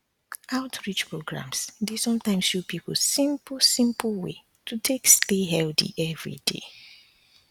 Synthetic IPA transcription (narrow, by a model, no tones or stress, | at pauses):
aʊtʰɹit͡ʃpɹoɡɹã̰msdesɔ̃mtãɪ̃msʃupʰiplsĩmpl̩sĩmplwḛ | tʰutʰeksteɦɛldḭʔɛvɹḭdḛ